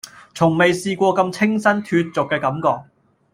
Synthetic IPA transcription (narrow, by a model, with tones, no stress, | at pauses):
t͡sʰʊ˨˩ŋme˨jsiː˧kʷɔː˧kɐ˧mt͡sʰɪ˥ŋsɐ˥nt̪ʰyː˧t̚t͡sʊ˨kːɛː˧kɐ˨˥mkɔː˨k̚